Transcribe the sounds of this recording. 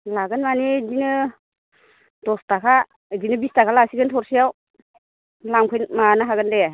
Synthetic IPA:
laɡɯnmanedinɯ | dɔstakʰa | dinɯbistakʰalasiɡɯntʰɔɾsijaw | lamkʰɯjnmanɯɦaɡɯnde

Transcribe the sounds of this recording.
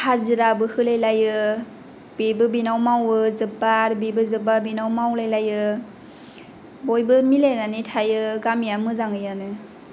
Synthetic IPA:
haziɾabɯhɯlejlajɯ | b̥ebɯbinawmawɯzɯbaɾbibɯzɯbabinawmawlajlajɯ | bojbɯmilejnanitʰajɯɡamijamɯzaŋɯjanɯ

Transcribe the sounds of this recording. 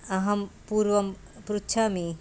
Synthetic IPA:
ɐɦɐmpuɾʋɐm | pɾutːʃʰaːmi

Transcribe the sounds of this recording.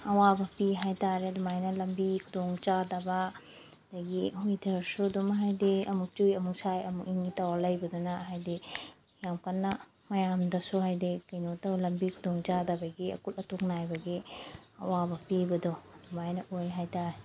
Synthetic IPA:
ɐwabɐpiɦajtaɾeɐdumajnɐlɐmbikʰudɔŋt͡ʃadaba | daɡihujdʰɐɾsudumɦajdiɐmuk̚tujɐmuksajɐmuk̚iŋɡitawalɐjbɐdɔnaɦajdi | jamkanːa | mɐjamdɐsuɦajdikajnotɐwlɐmbikʰudɔŋt͡ʃadabaɡiɐ̰kulɐtoknajbɐɡiɐ̰wabɐpibɐdɔɐdumajnɐʔojɦajtaɾe

